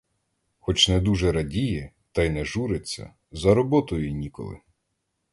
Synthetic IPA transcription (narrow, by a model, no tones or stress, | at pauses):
xɔt͡ʃnɛd̪uʒɛɾɐdʲijɛ | t̪ɐjnɛʒuɾet͡sʲːɐ̰ | zɐɾɔbɔt̪ɔjʊnʲikɔ̰lˠɪ̰